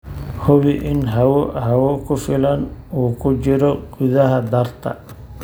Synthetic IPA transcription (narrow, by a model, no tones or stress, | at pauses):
hʊβɪʔɪnɦɐwɦɐwɔkʰʊfɪlɐnuːkʰʊt͡ʃɪɾɔɡ̥ʊðɐɦɐd̪ɐrt̪ʰɐ̰